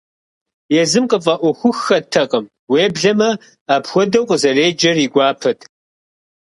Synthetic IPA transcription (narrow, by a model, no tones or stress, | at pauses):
jɛzɨmqʼəfʼɐʔʷɔxʷʊxːɐtʰɐqʼɐm | weːbɮɐmɐ | aːpxʷɔdɐwqʼəzɐreːd͡ʒɐriːɡʷɑːpʰɐtʰ